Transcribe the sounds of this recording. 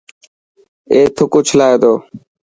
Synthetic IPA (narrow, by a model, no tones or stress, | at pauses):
eːt̪ʰʊkuːt͡ʃʰəlaːed̪oː